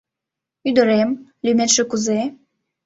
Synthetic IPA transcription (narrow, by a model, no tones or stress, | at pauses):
yd̪ə̆ɾemlymet̪ʃɘ̆kuze